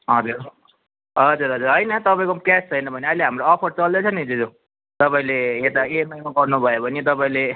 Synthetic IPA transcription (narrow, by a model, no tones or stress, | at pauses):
ɦʌd͡zuɾ | ʌd͡zuɾʌd͡zuɾɦʌjnʌt̪ʌpaĩkokast͡sʰʌjnʌbʱʌneʌjleɦamɾoʌpʰʌɾt͡sʌld̪et͡sʰʌnid͡zed͡zo | t̪ʌpaĩleet̪aenʌjkoɡʌrnubʱʌjeobʱʌnit̪̬ʌpaĩle